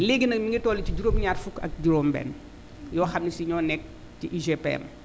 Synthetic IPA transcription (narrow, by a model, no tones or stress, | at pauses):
leɡinɐkmiŋɡitɔːliciɟuɾoːmɲaːrfukɐ̰k̚ɟuɾoːmbɛ̰ːn | jɔːxɐmnisiɲɔːnɛk̚ | tiʔiʒepḛm